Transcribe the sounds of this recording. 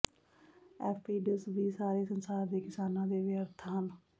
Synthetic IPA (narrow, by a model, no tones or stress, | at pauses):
ɛːpʰiːɖəsʋiːsaːɾeːsənsaːɾd̪eːkɪsaːnãːd̪eːʋɪjəɾt̪ʰaːɦən